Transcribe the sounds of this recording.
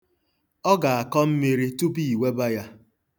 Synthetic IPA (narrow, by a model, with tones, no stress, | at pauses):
ɔ˦ɡa˨a˨kɔ˦m̩˦me˦ɾi˦tu˦pi˦˨i˨we˦ba˦ja˦